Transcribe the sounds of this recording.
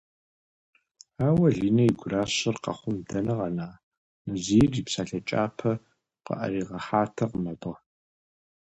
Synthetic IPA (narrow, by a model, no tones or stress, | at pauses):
aːwɐɮiːnɐiɡʷʊraːɕɪrqɑ̰χʷʊmdɐnɐʁɐnaː | nɐziːriːpsaːɬɐt͡ʃʼaːpʰɐ | qə̰ʔɐ̰riːʁɐħaːtʰɐqmɐdɐ